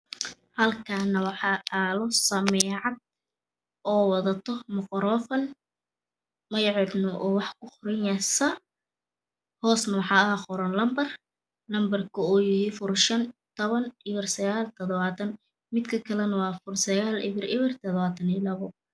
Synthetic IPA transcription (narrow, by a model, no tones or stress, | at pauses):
hɐlkʰanɐwɑħɑːaːlɔsɐmɛːʕɑd̪̚ | ɔːwɑðɐt̪ʰɔmʊqɔɾɔːfɐn | mɐjʕɑd̪nɔʔɔːwɑħkʰʊχʊɾɛnjɐsɐ | hɔːsnɐwɑħɑːɐɦaχʊɾɐnlɐmbɐr | lɐmbɐrkʰʊɔːjɪhifʊrʃɐnt̪ʰɔβɐnʔɪβɪrsɐɣaːlt̪ʰɔðɔβaːt̪ʰɐn | mɪd̪kʰɐkʰɐlɛnɐwɑːfʊrsɐɣaːlʔɪ̰βɪrɪβɪrt̪ʰɔðβaːt̪ʰɐnilɐβɔ